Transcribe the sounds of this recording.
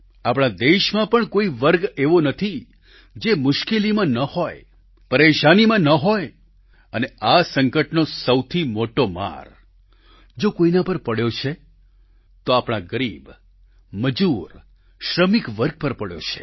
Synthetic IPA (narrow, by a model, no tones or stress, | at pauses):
apɽ̃ãd̪eʃmãpəɳkoiʋəɾɡeʋonət̪ʰi | d͡ʒemʊʃkelimãnəhoj | pəɾeʃanimãnəɦoj | əneasəŋkəʈnosəwt̪ʰimoʈoma̰ɾ | d͡ʒokoinãpəɾpəɽjot͡ʃʰe | t̪oapɽ̃aɡəɾib | məd͡ʒuɾ | ʃɾəmikʋəɾɡ̚pəɾpəɽjo̰t͡ʃʰe̥̰